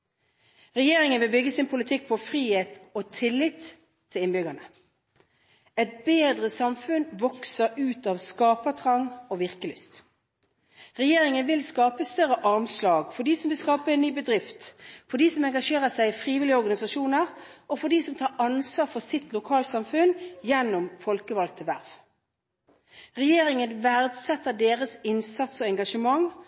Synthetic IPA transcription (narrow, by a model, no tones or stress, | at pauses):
ʁɛjeːʁɪŋənʋɪlbʏɡəsɪnpʰʊlɪt̪ʰɪk̚ːpʰɔfʁiːheːt̪ot̪ʰɪlːɪt̪ʰː | ɪlɪnbʏɡənə | ɛt̪̚beːd̪ʁəsɑmfʉnʋɔksəɾʉːt̪ɑːʋskɑːpət̪ʰʁɑŋɔʋɪʁkəlʏst̪ | ʁɛjeːʁɪŋənʋɪlskɑːpəst̪œʁəʔɑʁmslɑːɡfɔɖiːsɔmʋɪlskɑːpəɛnːyːbəd̪ʁɪft̪fɔɖ̪iːsɔmɛŋɡɑʂeːʁəsæɪɪfʁiːʋɪlɪɔʁɡɑnɪsɑʃuːnəʁɔfɔɖ̪iːsɔmt̪ʰɑːʔɑnsʋɑːʁfɔsɪt̪lʊkʰɑːlsɑmfʉnjɛnːʊmfɔlkəʋɑlt̪ʰəʋæʁʋ | ʁɛjeːɾɪŋənʋæʁd̪sɛt̪ːəd̪eːʁəsɪnsɑt̪sɔɛŋɡɑʂəmɑŋ